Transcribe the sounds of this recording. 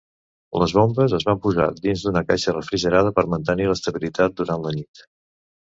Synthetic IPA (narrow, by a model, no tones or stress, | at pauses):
ləzβombəzəzβampuza̰d̪inzd̪unəkajʃərəfɾiʒəɾað̞əpəɾmənt̪əniləst̪əβilit̪at̪̚d̪uɾanlənit̪